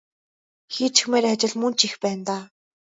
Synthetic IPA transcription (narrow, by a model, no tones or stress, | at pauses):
xiːt͡ɕ̆ʰxmeːɾat͡ɕɪ̆ɮmɵnt͡ɕixpæːnt̪aː